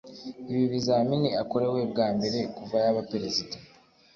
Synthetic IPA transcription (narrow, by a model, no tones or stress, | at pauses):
iβiβizaminiako̞ɾe̞we̞bɡaːmbe̞ɾe̞kuvajaβapeɾezidḁ